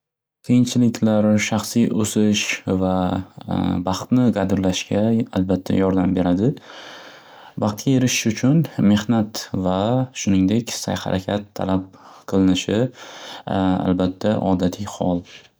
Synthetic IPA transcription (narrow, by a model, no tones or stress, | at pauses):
kʲʰejɪŋt͡ʃʰɪlɪkʲʰlaɾʃɑχsijʔosɪʃva | bɑχt̪nɪqɑd̪ɪɾlaʃɡʲaalbat̪ʰːa̰jɒɾd̪ambe̞ɾad̪ɪ | bɑχt̪̚kʲʰajeɾɪʃɪʃʊt͡ʃʰʊnme̞hnat̪vaʃʊnɪŋd̪e̞kʲsa̰jha̰ɾʔakʲʰat̪ʰːa̰lap̚qʰɨlˠɪnɪʃɪ | a̰lbat̪ʰːaʔɒ̰d̪at̪ʰɪjhɒ̰lˠ